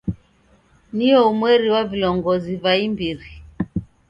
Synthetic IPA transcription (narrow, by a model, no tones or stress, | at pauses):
niɔumwɛɾiwavilɔŋɡɔzivaimbiɾi